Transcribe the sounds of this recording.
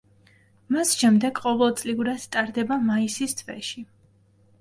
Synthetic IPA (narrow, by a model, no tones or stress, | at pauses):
masʃɛmd̪ɛɡqʼɔvɛlˠt̪sʼliuɾast̪ʼaɾd̪ɛbamaisist̪ʰvɛ̰ʃi